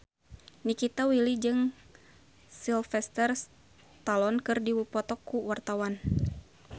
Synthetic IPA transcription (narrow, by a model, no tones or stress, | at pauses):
nikit̪awilid͡ʒɨŋ | silfɛst̪ɛrs | t̪alɔnkɨrdiwupɔt̪ɔkːuwart̪awan